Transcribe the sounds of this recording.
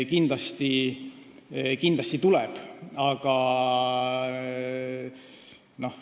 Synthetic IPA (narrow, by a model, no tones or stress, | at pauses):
kind̪lɑst̪i | kind̪lɑst̪it̪ulɛb̥ɑɡ̥ɑ | no̞h